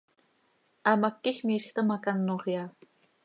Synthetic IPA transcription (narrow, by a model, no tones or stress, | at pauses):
amakːixmiːʃxt̪əmakanːoχjaː